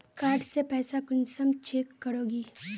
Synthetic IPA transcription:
kaːɾɖsepɛːsakʊnsəmt͡ʃeːkːəɾoːɡiː

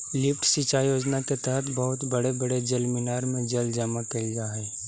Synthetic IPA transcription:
lɪpʈsit͡ʃajoːd͡ʒnaket̪ɛɦət̪ʰbɐɦʊt̪bɐɽebəɽed͡ʒɐlmɪnaːɾmẽd͡ʒɐld͡ʒamakɐid͡ʒaɦɛ

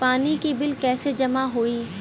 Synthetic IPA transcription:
paːnikibɪlkɛːsed͡ʒɐmaɦoːiː

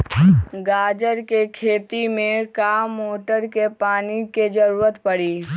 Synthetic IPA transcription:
ɡaːd͡ʒəɾkekʰeːt̪imẽkaːmːoːʈəɾkepaːniked͡ʒəɾuːɾət̪pəɽiː

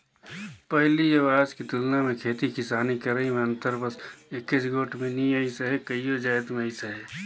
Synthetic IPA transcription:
pəɦlijəʋaːd͡ʒkit̪ʊlnamẽkʰeːt̪ikɪsaːnikəɾəimẽə̃nt̪əɾbəsɪkːɪsɡoːʈʰmẽniəisəɦekəijod͡ʒaːɪt̪mẽəɪsəɦeː

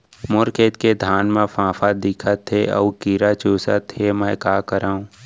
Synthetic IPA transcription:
mʊɾkeːt̪ked̪ʱaːnmẽfãːfʰad̪ɪkʰət̪ʰːeɔːukiːɾat͡ʃoːsə̰t̪emɛ̃ːkaːkəɾaːũː

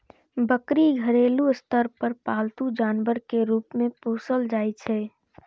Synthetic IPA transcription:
bəkɾiɡʱəɾeːluɪst̪əɾpəɾpaːlt̪ud͡ʒaːnʋəɾkeɾuːpmẽpoːsəld͡ʒaːit͡ʃʰɛː

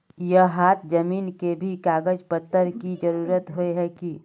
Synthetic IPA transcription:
jəɦaːt̪̚ʰd͡ʒɐmiːnkebʱikaːɡəd͡ʒpət̪ːəɾkid͡ʒəɾuːɾət̪ɦoeɦɛki

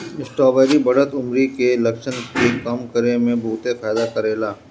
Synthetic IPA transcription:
ɪsʈɔːʋɛːɾibɐɽət̪ʊmɾikelɐkʃənkekɐmkəɾemẽbʱuːt̪efaːd̪akɐɾeːlaː

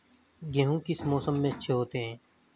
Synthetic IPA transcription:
ɡẽːɦũːkɪsmoːsəmːẽːətːʃʰeɦoːt̪eɦɛ̃ː

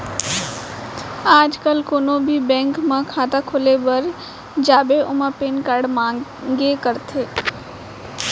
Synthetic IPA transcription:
aːd͡ʒkəlkoːnõbʱibɛ̃ːŋkmãkʰaːt̪akʰoːlebɐɾ | d͡ʒaːbeʔʊmapeːnkəɽmãːɡekəɾt̪ʰe

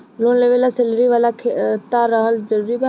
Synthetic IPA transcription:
loːnleʋelaselɾiʋaːlakʰet̪aɾəɦəld͡ʒəɾuːɾiba

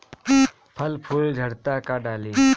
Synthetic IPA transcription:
pʰɐlpʰuːld͡ʒʱəɽt̪akaɖaːliː

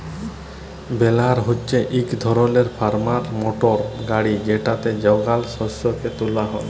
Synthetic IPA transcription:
belaɾɦotːt͡ʃʰeʔikd̪ʱɔɾɔleɾpʰaɾmaɾmoʈɔɾɡaɽid͡ʒeʈat̪ed͡ʒɔwɡalsɔsɔket̪ulaɦɔn

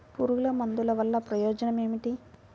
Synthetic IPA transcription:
puɾuɣulɐmɐnd̪ulɐʋɐlːɐpɾɐjoːd͡ʒɐnɐme̞ːmiʈi

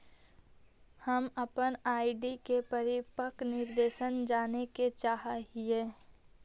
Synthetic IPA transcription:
həməpənaːiɖikepəɾɪpəknɪɾd̪eːʃənd͡ʒaːneket͡ʃaːɦaɦieː

